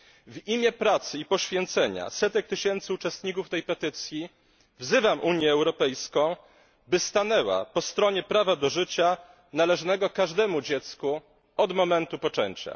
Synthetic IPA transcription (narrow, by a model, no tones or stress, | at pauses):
vimʲjɛpɾat̪sɘipɔɕfʲjɛnt̪sɛɲa̰sɛt̪ɛk̚t̪ɘɕɛnt̪sɘut͡ʂɛst̪ɲikuft̪ɛjpɛt̪ɘt̪sʲji | vzɘvamʔuɲjɛːwɾɔpɛjskɔ̃w̃ | bɘst̪anɛwa̰pɔst̪ɾɔɲɛpɾavad̪ɔʐɘt͡ɕa | nalɛʐnɛɡɔkaʐd̪ɛmud͡ʑɛt̪sku | ɔd̪mɔmɛnt̪upɔt͡ʂɛɲt͡ɕa̰